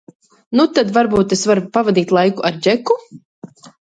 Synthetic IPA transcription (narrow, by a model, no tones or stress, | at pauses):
nut̪ad̪vaɾbuːt̪esvaɾpavad̪iːt̪lˠajkuʔaɾd͡ʒeku